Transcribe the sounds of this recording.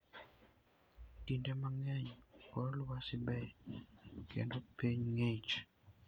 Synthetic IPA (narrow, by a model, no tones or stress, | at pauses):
tindɛmaŋɛɲkɔɾlwasɪbɛ | kḛndopeɲŋet͡ʃ